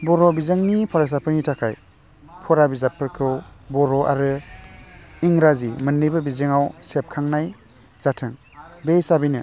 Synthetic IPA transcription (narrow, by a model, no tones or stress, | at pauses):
bɔɾɔbizɯŋnipʰɔɾas̬apʰɯɾnitʰakʰaj | pʰɔɾabizapʰɯɾkʰɯwbɔɾɔʔa̰ɾɯ | iŋɾazimɯnːɯjbɯbizɯŋawsep̚kʰaŋnaj | z̥atʰɯŋ | bejsabijnɯ